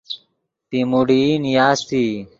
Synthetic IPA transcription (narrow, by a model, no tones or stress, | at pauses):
p̪imuɽinjaːst̪iː